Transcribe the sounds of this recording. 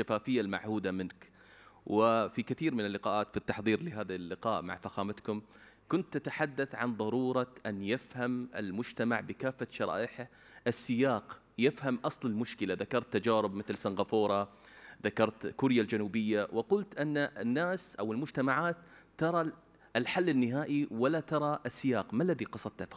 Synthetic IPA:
ʃafaːfɪjːalma̰ʕhuːd̪amɪnk | wʔɪfikɪθiːɾmɪnɪlːɪqɑːʔaːt̪fit̪ːɑħðˤiːɾlɪɦaːðalːɪqɑːʔma̰ʕfaxaːmat̪kʊm | kʊnt̪ːat̪aħad̪ːaθʕa̰nðˤɑɾˤuːɾˤɑʔanjɪfhamʔɪ̰lmʊd͡ʒt̪amaʕbɪkaːfːaʃɑɾˤɑ̰ːʔɪħɪʔɪsːɪjaːq | jɪfhamʔɑsˤlɪlmʊʃkɪlaðakɑɾˤt̪ːad͡ʒaːɾɪbmɪθlsanɣafoːɾˤɑ | ðakɑɾˤt̪kʊɾjald͡ʒanuːbɪjːawɪqʊlt̪ʔɪnːaʔɪnːaːsʔawɪlmʊd͡ʒt̪amaʕaːt̪ː | ɑɾˤɑ | lħalːɪnːɪɦaːʔiwalat̪ɑɾˤɑʔɪsːɪjaːqmalːaðiqɑsˤɑd̪̚t̪af

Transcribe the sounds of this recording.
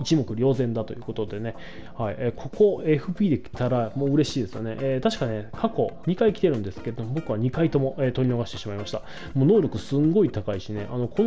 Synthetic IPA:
it͡ɕimo̞kɯ̟ɾʲjo̞ːzẽ̞nd̪at̪o̞jɯ̟ːko̞t̪o̞d̪e̞ne̞ | haieːkʰo̞ko̞e̞ɸɯ̟pʲiːd̪e̞kʲi̥t̪aɾamo̞ːɯ̟ɾe̞ɕiːd̪e̞sɨjo̰neʔeːt̪aɕi̥kaɲekʰako̞ɲ̟ikaikʲi̥t̪e̞ɾɯ̟nd̪e̞sɨ̥ke̞ɾe̞d̪o̞mo̞bo̞kɯ̟βaɲ̟ikait̪o̞mo̞ʔeːt̪o̞ɾʲino̞ɡaɕit̪e̞ɕimaimaɕi̥t̪a | mo̞ːno̞ːɾʲo̞kɯ̟sɨŋɡo̞it̪akaiɕine̞ʔano̞kʰo

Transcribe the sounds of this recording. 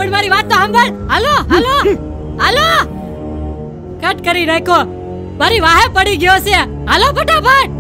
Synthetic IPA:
pəɳmaːɾiʋaːt̪ːoɦəmbəɽɦəloɦəlo | ɦəloː | kəʈkəɾiɾɐkoː | maːɾiʋaːɦepəɽiɡɪjose | ɦəlobʱəʈabʱaːʈ̚

